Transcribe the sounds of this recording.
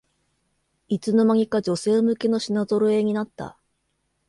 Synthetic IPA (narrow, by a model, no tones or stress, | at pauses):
it͡sɨno̞maŋ̟ʲikad͡ʑo̞se̞ːmɯ̟ke̞no̞ɕinazo̞ɾoe̞ɲ̟inat̪ːa̰